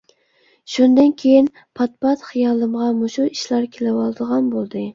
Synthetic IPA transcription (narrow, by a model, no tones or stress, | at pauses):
ʃʊnd̪ɪnkʲʰejɪn | pʰɑt̪̚pɑt̪χɨjɑlˠɨmʁɑmʊʃʊɪʃlaɾkʲʰelawɑlˠd̪ɨʁɑnbolˠd̪ɪ